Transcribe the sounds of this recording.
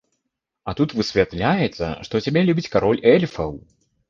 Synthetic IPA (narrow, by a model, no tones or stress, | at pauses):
ɐt̪ut̪vɨsʲvʲat̪lʲajɛt̪sːɐ̰ʂt̪ɔt͡sʲabʲɛlʲubʲit͡sʲkaɾɔlʲɛlʲfɐw